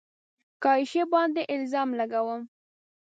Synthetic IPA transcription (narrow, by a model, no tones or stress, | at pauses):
kɑiʃebɑnd̪eʔɪlzɑmlaɡawəm